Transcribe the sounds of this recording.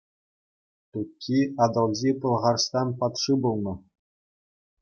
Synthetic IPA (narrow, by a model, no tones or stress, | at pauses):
t̪ukʲʰːiɑd̪ɤ̆lˠʑipɤ̆lˠʁɑrst̪ɑnpɑt̪ʂɨbulˠnɤ̆